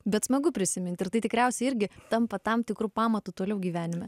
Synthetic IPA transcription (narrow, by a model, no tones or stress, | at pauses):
bʲɛt̪smɐɡʊpʲɾʲɪsʲɪmʲɪnt̪ʲɪɾt̪ɐɪt̪ʲɪkɾʲæˑʊsʲɛɪɪɾʲɡʲɪt̪ɐmpɐt̪ɐmt̪ʲɪkɾuːpɑːmɐt̪ut̪oːlʲɛʊɡʲiːʋʲæːnʲɪmʲɛ